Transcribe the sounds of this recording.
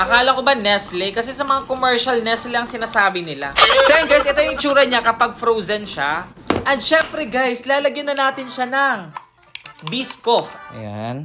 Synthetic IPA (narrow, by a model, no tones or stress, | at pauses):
ʔɐkaːlɐkobanɛslɛkɐs̬ɛsɐmɐŋakomɛɹʃɐlnɛslɛɐŋsɪnaːsaːbɪnɪla̰pɛɾoŋɡajsʔɛt̪ojʊŋɪt͡ʃuːɾɐɲakɐpaɡ̚fɾozɐnʃa | ʔɛnd̪ʃɛmpɾɛɡajslaːlɐɡjɪnːɐnaːt̪ɪnʃanɐŋ | biskofjan